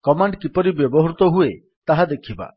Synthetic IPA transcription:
kɔmaɳɖkipɔɾibjɔbɔɦɾut̪ɔɦue | t̪aɦad̪ekʰiba̰

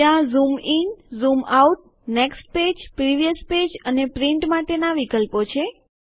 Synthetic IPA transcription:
ãzuminzumauʈ̚ | neksʈ̚ped͡ʒpɾiʋijəsped͡ʒənepɾiɳʈmaʈenaʋikəlpot͡ʃʰe

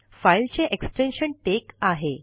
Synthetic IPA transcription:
failt͡ɕeʔeksʈenɕəɳʈekaɦe

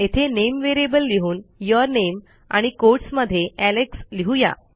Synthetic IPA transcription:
et̪ʰenemʋeɾijebəlːiɦuːnjɔɾnem | a̰ɽ̃ikoɾʈsməd̪ʱːjeæleksliɦuja̰

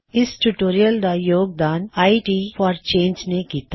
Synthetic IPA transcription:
ɪsʈuʈoːɾijəld̪ajoːɡ̚d̪aːnaːiʈiːfɔːɾt͡ʃẽːnd͡ʒnekiːt̪a

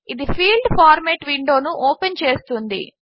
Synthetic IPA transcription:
id̪ipʰiːlɖpʰaːɾmeːʈʋiɳɖo̞ːnuʔoːpent͡ʃeːst̪und̪ḭ

